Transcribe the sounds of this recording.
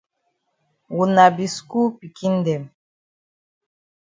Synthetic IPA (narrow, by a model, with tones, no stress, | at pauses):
wu˨na˨bi˨sku˦pi˨ki˦n˦dɛ˨m